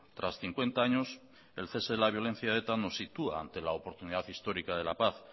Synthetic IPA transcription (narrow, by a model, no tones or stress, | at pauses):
t̪ɾasθiŋkwe̞nt̪aaɲo̞s | e̞lθe̞seðelaβ̞jo̞le̞n̟θjaðet̪ano̞sːit̪ua̰a̰nt̪e̞laopo̞ɾt̪uniðaθist̪o̞ɾikað̞e̞lapaθ